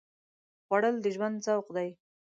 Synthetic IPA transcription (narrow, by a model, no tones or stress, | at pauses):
ɣwaɽəld̪əʒwand̪zawqd̪aj